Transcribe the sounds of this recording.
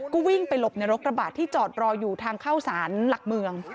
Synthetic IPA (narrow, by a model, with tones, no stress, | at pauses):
kuː˥˩wi˥˩ŋpa˧jlo˨˩p̚na˧jɾo˦˥k̚ɾa˧baː˨˩t̪ʰːiː˥˩t͡ɕɔː˨˩t̪̚ɾɔː˧juː˨˩t̪ʰaː˧ŋkʰaː˥˩wsaː˩˦nla˨˩k̚mɯ˧əŋ